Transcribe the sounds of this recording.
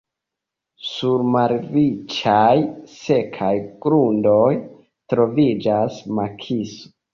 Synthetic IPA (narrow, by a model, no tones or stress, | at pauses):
suɾmaɾvit͡ʃajse̞kʰajɡ̥ɾundo̞j | tɾo̞vid͡ʒasmakʰiso